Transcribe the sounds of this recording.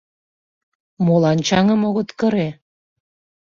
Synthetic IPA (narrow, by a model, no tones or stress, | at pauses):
molɑnt͡ɕɑŋə̆moɣot̪kəɾe